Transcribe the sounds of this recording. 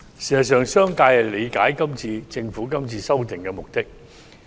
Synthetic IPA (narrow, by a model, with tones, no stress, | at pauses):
siː˨za˨˩s̬œː˨ŋsœː˥ŋkaː˧jhɐ˨jle˨˧jkaː˨˥jkɐ˥mt͡siː˧t͡sɪ˧ŋfuː˨˥kɐ˥mt͡siː˧sɐ˥wt̪ɪ˨ŋkɛ˧mʊ˨˩k̚t̪ɪ˥k̚